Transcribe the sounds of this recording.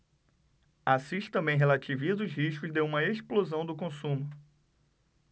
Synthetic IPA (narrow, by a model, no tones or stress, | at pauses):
asiʃt̪ɐ̃mbẽj̃ɦelat͡ʃivizʊzɦiʃkʊzd̪eũmɐeʃplozɐ̃w̃d̪ʊkõsũmʊ